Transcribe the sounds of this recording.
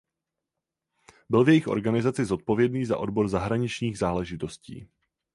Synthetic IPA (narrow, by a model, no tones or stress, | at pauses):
bɪlvjɛjɪxʔo̞̰ɾɡanɪzat͡sɪzo̞t̪̚po̞vjɛdniːza̰ʔo̞dbo̞ɾzaɦɾaɲɪt͡ʃɲiːɣzaːlɛʒɪt̪o̞scḭː